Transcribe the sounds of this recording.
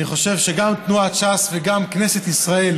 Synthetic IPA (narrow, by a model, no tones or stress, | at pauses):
niχo̞ʃe̞vʃe̞ɡamt̪nuat͡ʃasveɡamkne̞se̞t̪isʁae̞l